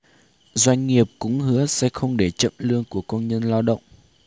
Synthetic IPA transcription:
zwa˧jŋ̟ŋi˨˩əp̚kʊ̰˧˥ŋ͡mhɨ˨˦əsɛ̰˧˥xə˧wŋ͡mɗe˧˩t͡ɕə̰˧˨mlɨ˧əŋku˧˩əkə˧wnɲə˧nla˧wɗə̰˧˨wŋ͡mʔ

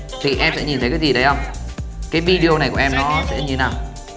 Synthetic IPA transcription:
t̪ʰi˨˩ʔɛ˧msɛ̰˧˥ɲi˨˩nt̪ə˨˦kaː˨˦jzi˨˩ɗə˨˦jʔə˧wŋ͡mkaː˨˦jvi˧ɗi˧o˧na˨˩jku˧˩˨ʔɛ˧mnɔ˨˦sɛ̰˧˥ɲɨ˧naː˨˩w

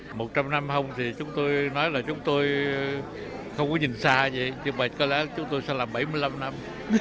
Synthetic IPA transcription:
mo˨˩t̚t͡ɕa˧mna˧mhə˧wŋ͡mt̪ʰi˨˩t͡ɕʊ˨˦ŋ͡mt̪o˧jnɔ˨˦jlaː˨˩t͡ɕʊ˨˦ŋ͡mt̪o˧j | xə˧wŋ͡mkɔ˨˦ɲi˨˩nsaː˧və̰˧˨jɲɨ˧˩ɓə̰˧˨˩jkɔ˨˦lɛ̰˧˥t͡ɕʊ˨˦ŋ͡mt̪o˧jsɛ̰˧˥laː˨˩mɓa˧˩jmɨ˧əjla˧mna˧m

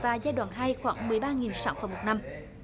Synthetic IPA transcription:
vaː˨˩zaː˧jɗwaː˧˨nɦaː˧jxwaː˧˩˦ŋmɨ˨˩əjɓaː˧ŋi˨˩nsaː˨˦wfə˧˩ŋ͡mmo˨˩t̚na˧m

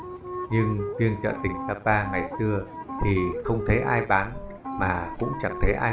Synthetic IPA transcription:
ɲɨ˧ŋvi˧əŋt͡ɕə̰ː˧˨t̪ï˨˩ŋ̟saː˧paː˧ŋa˨˩jsɨ˧ət̪ʰi˨˩xə˧wŋ͡mt̪ʰə˨˦jʔaː˧jɓaː˨˦n | maː˨˩kʊ̰˧˥ŋ͡mt͡ɕa˨˩ŋ̚t̪ʰə˨˦jʔaː˧

